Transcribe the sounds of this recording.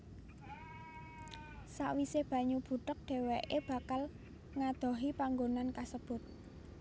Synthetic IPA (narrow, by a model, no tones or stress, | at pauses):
saʔwisɪhb̥ä̤ɲub̥ṳtək̚ɖ̪̥e̤weʔeb̥ä̤kal | ŋad̪̥ɔ̤ɦipaŋɡonankasəb̥ʊ̤t̪̚